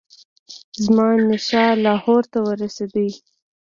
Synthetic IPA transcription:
zmɑnɪʃɑlɑhoɾt̪awəɾased̪əj

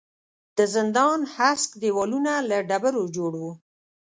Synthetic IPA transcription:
d̪̥əzɪnd̪ɑnhaskd̪ewɑlunalaɖabəɾod͡ʒoɽwu

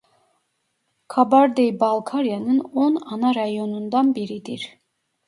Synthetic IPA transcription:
kʰabaɾd̪ejbalˠkʰaɾijanɯnɔnɑnɑɾajonund̪ɑnbiɾid̪iɾ

